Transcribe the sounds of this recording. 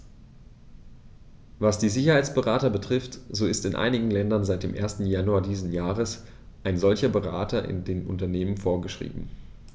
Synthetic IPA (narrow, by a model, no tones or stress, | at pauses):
vasd̥iːzɪçɐhaɪt͡sb̥əʁaːtɐbətʁ̥ɪftz̥oːɪstɪnʔa̰ɪnɪɡŋ̩lɛndɐnzaɪt̚d̥eːmʔeːɐstn̩januaɐdiːzn̩jaːʁəs | ʔaɪnzɔlçɐbəʁa̰ːtɐʔɪ̰ndeːnʔʊ̰ntɐneːmənfoːɐɡəʃʁ̥ḭːbm̩